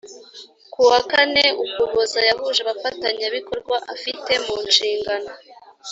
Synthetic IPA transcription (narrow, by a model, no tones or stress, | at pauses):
kuwakaneukuβozajaɦuʒe̞βafataɲaβiko̞ɾɡwaʔa̰fite̞muːnʃiːŋɡano̞